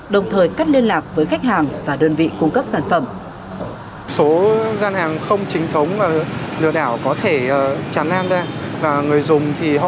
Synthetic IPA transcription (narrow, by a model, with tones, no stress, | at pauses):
ɗə˨˩wŋ͡mt̪ʰəː˨˩jkaː˦˥k̚li˧ənlaː˨˩k̚vəː˨˦jxa˦˥k̟̚haː˨˩ŋvaː˨˩ɗəː˧nvḭ˧˨kʊ˧ŋ͡mkə˦˥p̚saː˧˩nfə˧˩m | so˨˦zaː˧nhaː˨˩ŋxə˧wŋ͡mt͡ɕï˨˦ŋ̟t̪ʰə˨˦wŋ͡mlaː˨˩lɨ̰˧˨əɗaː˧˩wkɔ˨˦t̪ʰe˧˩əː˨˩t͡ɕa˨˩nlaː˧nzaː˧vaː˨˩ŋɨ˨˩əjzʊ˨˩ŋ͡mt̪ʰi˨˩ɦɔ̰˧